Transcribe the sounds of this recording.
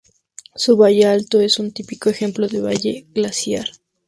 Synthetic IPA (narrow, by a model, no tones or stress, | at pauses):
suβaʝealt̪o̞e̞sunt̪ipiko̞exe̞mplo̞ðe̞βaʝe̞̰ɣlasjaɾ